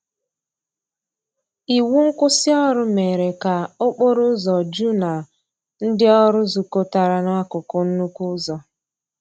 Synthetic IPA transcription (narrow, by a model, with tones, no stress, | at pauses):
i˨wu˦ŋ̩˦kʊ˦sɪ˦ɔ˦ɾʊ˦me˨ɾe˨ka˨o˦k͡po˦ɾʊ˦zɔ˨d͡ʒu˦na˨ | n̩˦dɪ˦ɔ˦ɾʊ˦zu˨ko˦ta˨ɾa˨n˦a˦kʊ˨kʊ˦n̩˦nu˦kʷu˦zɔ˨